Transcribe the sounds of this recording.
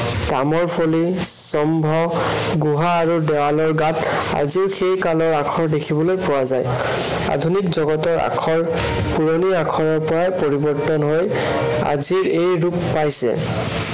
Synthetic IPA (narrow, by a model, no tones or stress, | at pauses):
tamɔɹpʰoli | sɔmbʱɔ | ɡuɦaːɹudɛwalɔɹɡat | a̰ziʊxejkalɔɹakʰɔɹdekʰibɔlojpʊwazaj | a̰dʱunikzɔɡɔtɔɹa̰kʰɔɹ | puɹoniakʰɔɹɔɹpɔɹajpoɹibɔɹtɔnɦoj | a̰ziɹejɹupːajsɛ̰